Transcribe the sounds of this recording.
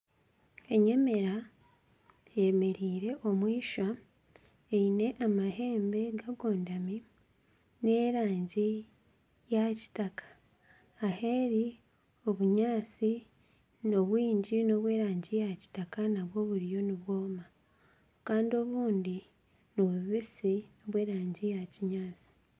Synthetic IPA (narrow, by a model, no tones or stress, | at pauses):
e̞ɲe̞me̞ɾa | jeme̞ɾiːɾe̞ʔo̞mwiːʃa | eine̞ʔamaɦe̞ːmbe̞ɡaɡo̞ːndami | ne̞ɾaːɲɟi | jaci̥takḁː | he̞ɾi | o̞βuɲaːt͡si | no̞βwiːɲɟino̞βwe̞ːɾaːɲɟijaci̥takanaβwo̞βuɾijo̞niβwo̞ːma | kaːndio̞βuːndi | noβuβisino̞βwe̞ːɾaːɲɟijaciɲaːt͡si̥